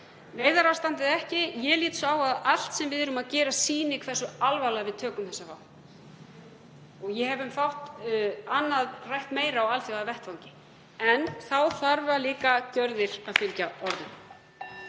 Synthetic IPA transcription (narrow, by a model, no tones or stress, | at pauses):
neːjðaɾawst̪ant̪ɪðɛhcɪjɛliːt̪saːwaðal̥t̪sɛmvɪðɛɾʏmaðcɛːɾasiːnɪkʰvɛr̥sʏalvalaɣavɪðt̪ʰœːkʏmθɛsːafa̰w | ɔɣjɛhɛvʏmfawht̪anːaðrajht̪meːjɾawɣalθjɔavɛht̪vawɲcɪ | ɛnθawθaɾvʏaðliːkacœɾðɪɾ̥aðfʏlcaɔɾðʏn